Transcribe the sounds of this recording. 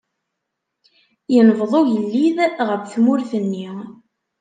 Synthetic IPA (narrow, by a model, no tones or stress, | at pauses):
jənvðˤojəlːiðʁəfθmʊɾθənːi